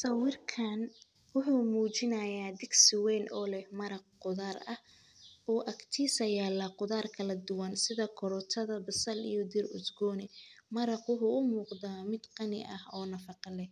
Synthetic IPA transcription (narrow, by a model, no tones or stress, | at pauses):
sɐwɪrkʰɐn | wʊħuːmuːt͡ʃɪnɐjaːd̪ɪɡsɪwɛjnʔɔːlɛhmɐɾɑq̚qʊðaːrɐh | ɔːʔɐkt̪ʰiːsɐjaːlɐqʊðaːrkʰɐlɐd̪ʊwɐnsɪðɐkʰʊɾɔt̪ʰɐðɐbɐsɐlḭjɔd̪ɪrʊ̰sɡɔːnɛmɐɾɑqwʊħʊːʔʊmuːqd̪aːmɪd̪qɑnɪ̰ʔɐhɔːnɐfɑqɑlɛ